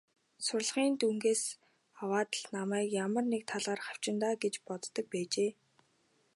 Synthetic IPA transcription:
sʊrɮχiːnt̪uŋɡeːs | awaːt̪ə̆ɮnamæːkjamə̆rnek̚t̪ʰaɮʁaːrχaw̥t͡ɕɪ̆nt̪aːɡet͡ɕpɔt̪ːə̆k̚pæːt͡ɕeː

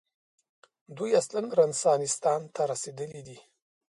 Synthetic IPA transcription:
d̪ujaslanɾansɑnɪst̪ɑnt̪ʰaɾased̪əlid̪i

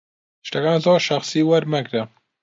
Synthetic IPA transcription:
ʃt̪ɐkaːnzoːɾʃɐxsiːwɐɾmɐɡɾɐ

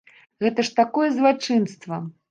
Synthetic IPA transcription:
ɣɛt̪ɐʂt̪akɔjɛzlˠat͡ʂɨnst̪vɐ

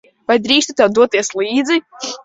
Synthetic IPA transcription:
vajd̪ɾiːst̪ut̪ɛwd̪uɔt̪iɛslˠiːd̪zi

